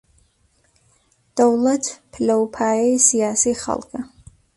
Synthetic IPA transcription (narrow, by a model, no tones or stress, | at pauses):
d̥owlɐtʰpʰlawpʰaːɛjsijaːsiχa̰lˠkʰʼa